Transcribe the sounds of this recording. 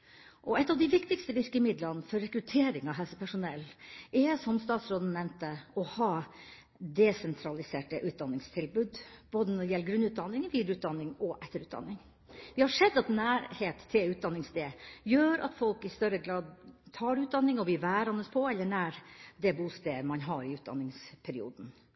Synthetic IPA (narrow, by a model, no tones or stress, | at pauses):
ʔɔɛt̪ːɑʋd̪ɪʋɪkt̪ɪkst̪əʋɪɾkəɪmɪd̪lənfɔɾːɛkɾʉt̪ʰeːɾɪŋɑʋɦɛsəpʰæʂʊnɛlːʔɛsɔmst̪ɑːt̪sɾoːd̪n̩nɛmnt̪əɔhɑː | d̪ɛsɛnt̪ʰɾɑlɪseːʈəʔʉːt̪̚d̪ɑnːɪŋst̪ʰɪlbʉːd̪b̥oːd̪ənɔdɪjɛlːəɡɾʉnːʉːt̪̚d̪ɑnːɪŋʋiːd̪ɾʉːt̪̚d̪ɑnːɪŋɔʔɛt̪ːəɾʉːt̪d̪ɑ̰nːɪŋ | ʋɪhɑʂɛd̪ːɑt̪næːɾheːt̪t̪ʰːɪlʉːt̪̚d̪ɑnːɪŋsd̪eːjøːɾɑ̰t̪fɔlkɪst̪œɾəɡɾɑːd̪t̪ʰɑːɖʉːd̪ɑnːɪŋɔʋɪlʋæːɾɑnəspʰɔɛlːəɳæːɾd̪ɛbuːst̪eːmɑnɦɑɾɪʉːt̪̚d̪ɑ̰nːɪŋspʰɛɾɪṵːd̪n̩